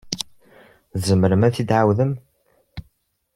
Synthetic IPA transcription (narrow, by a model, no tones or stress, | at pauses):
zəmːəɾəmæθid̪ʕawðəm